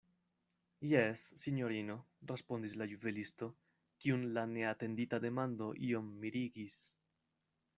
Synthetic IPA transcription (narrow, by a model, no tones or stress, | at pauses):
jesːiɲo̞ɾino̞ | respo̞nd̪islajuvelisto̞ | kiunlane̞ate̞nd̪itad̪e̞mando̞ʔio̞mːiɾiɡis